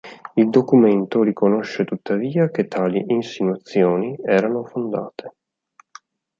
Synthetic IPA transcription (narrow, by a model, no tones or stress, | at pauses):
ild̪okument̪oɾikonoʃːet̪ut̪ːaviːak̟et̪ʰːaːliʔinsinwat̪sːjoːniɛːɾanofond̪a̰ːt̪ʰe̥